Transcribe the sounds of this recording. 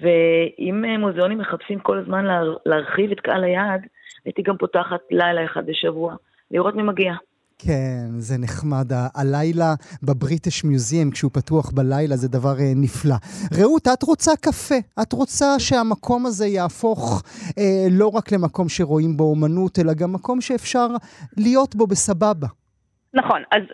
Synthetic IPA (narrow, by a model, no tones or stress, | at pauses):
veʔimemuzeo̞nimːeχapsimko̞lazmanlleaʁχivetkaʔa̰lajadait̪iɡampo̞taχatlajlaeχa̰d̪̚beʃavua | liʁo̞tmimaɡia | kʰenzeneχmadaʔːlajlabebʁiteʃmjuziomkʃeupatuaχbalajlazedavaʁeniflaʁeutatʁo̞t͡sakafe̞atʁo̞t͡saʃe̞amakʰo̞maze̞jaːfo̞χelo̞ʁakle̞mako̞mʃe̞ʁo̞imboomanute̞laɡamːako̞mʃe̞ːfʃaʁlijo̞tbo̞be̞sababa | naχo̞naz